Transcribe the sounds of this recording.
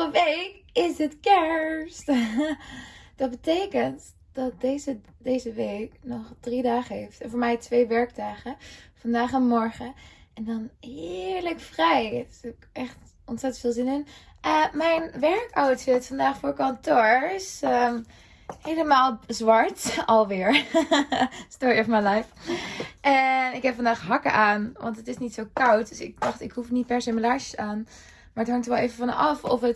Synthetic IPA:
əʋejkɪsətkɛɹst | d̥ɑt̚bətejkənt | d̥ɑt̚dezə | dejzəʋejknɔχd̥ridaːχəɦejftnfʊːɹmɛjtʋejʋɛɹktaːχəfɑndaːχənmɔɹχəɛndɑnɦɪɪɹləkfrɛjokʔɛχt | ɔntsɛtəntfɪːlˠzɪnɪnəmɛjnʋɛɹkawtsəɪsfɑndaːχfʊːɹkɑntoːɹɪsəm | hejləmaːlˠzʋɑɹtɑlˠʋɪːɹ | stɔːɹjəfəmalajf | ʔɛnɪkɦɛpfɑndaːχɦɑkə̰ʔaːnʋɑ̰ntətɪsnitsowkɑwt̚døsɪ̰k̚dɑχtɪkɦufənit̚pɛɹsejməlaʃə̥saːn | maɹəthɑŋktəɹʋɛlˠejvəvɑnʔɑfɔfət

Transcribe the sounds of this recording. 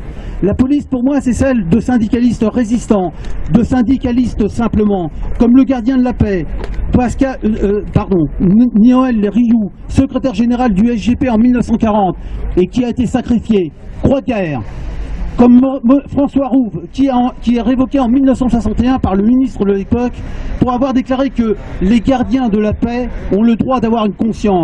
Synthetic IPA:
lapɔlispuʁmwasɛsɛld̪əsɛ̃d̪ikʲalist̪ʁezist̪ɑ̃d̪əsɛ̃d̪ikʲalist̪sɛ̃pləmɑ̃kɔmləɡʲaʁd̪jɛ̃d̪əlapɛt̪waskapaʁd̪ɔ̃niɔɛlːeʁiju | səkχet̪ɛʁʒeneʁald̪yɛsʒepeɑ̃milnəfsɑ̃kaʁɑ̃t̪ekʲiaet̪esakχifjekχwaɡɛʁ | kɔmmfχɑ̃swaʁuvkʲikʲiɛʁevɔkʲeɑ̃milnəfsɑ̃swasɑ̃t̪eɛ̃paʁləminist̪χəd̪əlepɔkpuʁavwaʁd̪eklaʁekə | leɡaʁd̪jɛ̃d̪əlapɛɔ̃ləd̪ʁwad̪avwaʁynkɔ̃sjɑ̃

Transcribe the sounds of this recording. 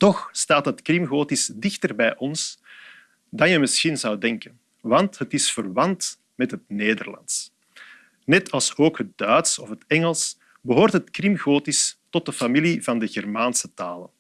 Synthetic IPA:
tɔxstaːtɦətkrimɣoːtisdɪxtərbɛjʔɔns | dɑnjəmɪsxinzɑwdɛŋkən | ʋɑntɦətɪsfərβɑnt | mɛtɦət̚neːdərlɑ̰ns | nɛtʰɑlˠsoːkɦət̚dœːtsɔfɦətɛŋəlˠs | bəɦoːrtɦətkrimɣoːtistɔt̚dəfamilivɑndəɣɛrmaːnsətaːlə̰n

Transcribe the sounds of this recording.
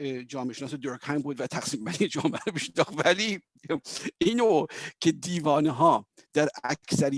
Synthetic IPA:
d͡ʒɒːmeeʃenɒːsed̪oɾkhæjmbuːd̪væt̪ʰæxsiːmbænind͡ʒɒːmeæɾobiʃnd̪ɒːχt̪væli | ʔiːnocʰed̪iːvɒːneɦɒː | d̪̥æɾækkʰsæɾi

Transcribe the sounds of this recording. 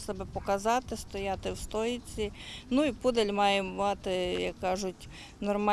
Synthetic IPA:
sɛbɛpɔkɐzɑt̪ɪst̪ɔjɑt̪ɪwst̪ɔjɪt͡sʲinuipud̪elʲmɑjɛmɑt̪ɪjɐkːɑʒʊtʲ | nɔrmɑ

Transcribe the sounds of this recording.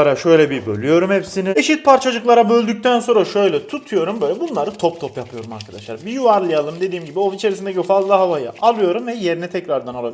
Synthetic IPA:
aɾaʃø̞jlʲɛbibø̰lʲyjo̞ɾumhɛpsinɪeʃit̪̚pʰaɾt͡ʃʰad͡ʒɯklˠaɾabø̞lʲd̪yc̚ʲt̪ʰænso̞nɾaʃø̞jlʲɛt̪ʰut̪ʰujo̞ɾumbøjlʲɛbunlˠaɾɯt̪ʰo̞p̚t̪ʰopjapʰɯjo̞ɾuma̰ɾkʰad̪a̰ʃlˠaɾbijuvaɾlˠɯjalˠɯmd̪e̞d̪iːmɟibiovit͡ʃʰe̞ɾisind̪ecʰiofazlˠaɦavajɯ̰ʔalˠɯjo̞ɾumvɛje̞ɾinit̪ʰɛcɾaɾd̪anoabi

